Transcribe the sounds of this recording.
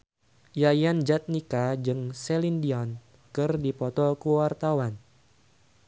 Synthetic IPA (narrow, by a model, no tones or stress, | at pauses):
jajand͡ʒat̪̚nikad͡ʒɨŋsɛlindiɔn | kɨrdipɔt̪ɔkuwart̪awan